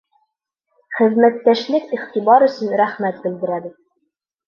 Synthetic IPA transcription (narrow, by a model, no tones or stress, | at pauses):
χɘ̆ðmæt̪ːæʃlɘkiχt̪ibɑɾɵ̆sɵnɾæχmæt̪̚bɘ̆ld̪ɘ̆ɾæbɘt̪̚